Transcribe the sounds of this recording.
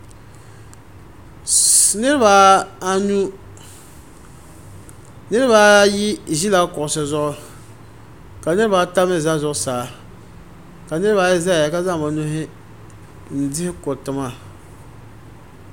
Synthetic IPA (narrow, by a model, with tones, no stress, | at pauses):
nɪ˦ɾɪ˦ba˨˦a˦nu˦ | nɪ˦ɾɪ˦ba˨˦ji˦˨ʒi˦la˦kʊ˨ʔsɨ˨zʊ˦ʔ | ka˨nɨ˦ɾɪ˦ba˨˦ta˦mɛ˦˨za˦zʊ˦ʔsaː˨ | ka˨nɨ˦ɾba˨˦ɪ˦za˦˨a˨ka˦za˦˨ma˨˦nʊ˦ɦɪ˦˨ | n̩˨dɪ˦hɪ˦ko˨tɪ˨ma˨